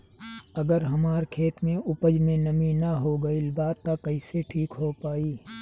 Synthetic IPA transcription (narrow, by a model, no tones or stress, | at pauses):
ɐɡəɾɦɐmaːɾkʰeːt̪mẽʊpəd͡ʒmẽnɐminɐɦoɡɐilbaːt̪ːakɐɪseʈʰiːkɦopaːiː